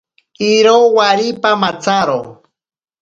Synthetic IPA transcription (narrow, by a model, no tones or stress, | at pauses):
iɾowaɾipamat͡saɾo̰